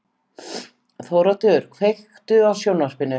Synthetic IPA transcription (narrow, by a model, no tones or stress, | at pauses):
θɔːwɾat̪ʏɾ̥kʰvejx | t̪ʏawsjownaspɪnːʏ